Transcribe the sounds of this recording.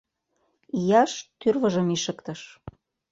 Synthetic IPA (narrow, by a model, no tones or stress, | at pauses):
ijɑʃt̪yrβɤ̆ʒə̆miʃə̆kt̪ə̆ʃ